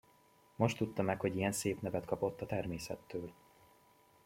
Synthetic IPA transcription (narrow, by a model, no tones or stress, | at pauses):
mo̞ʃt̪ːut̪ːɒmɛkho̞ɟijɛnseːpnɛvɛt̪kɒpo̞t̪ːɒt̪ɛrmeːsɛ̰t̪ːøːl